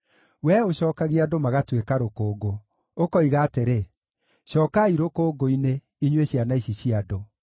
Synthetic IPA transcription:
wɛoɕɔːkaɣiadomaɣatwekaɾokoːɡo | okɔiɣaːteɾe | ʃɔːkaiɾokoːɡoine | iɲweɕjanaiɕiɕiado

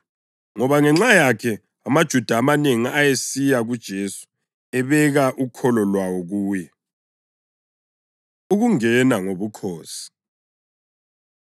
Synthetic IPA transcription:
ŋɔβaŋɛŋ͡ǁajakʰɛ | amad̥ʒ̥ʱud̥ʱaːmaneŋiajesijaɣud̥ʒ̥ʱesu̥ | ɛβɛɣaʔukʰɔlɔlwawɔɣuːjɛ | uɣuŋɛnaŋoβukʰoːsi̥

